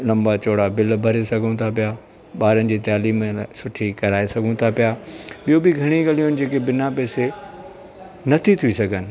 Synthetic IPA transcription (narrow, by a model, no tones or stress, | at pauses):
lɐ̃mbat͡ɕoːɽabɪlbʱɐɾesɐɡʱõt̪ʰapɪja | ɓaːɾənɪ̆d͡ʑiːt̪aːliːmsʊʈʰikɐɾaːesɐɡʱũt̪ʰapijaɓijobɪɡʱɐɽ̃iɡalijoɦɪnɪ̆d͡ʑeːkebɪnapɛːse | nɐt̪ʰit̪ʰiisɐɡʱənɪ̆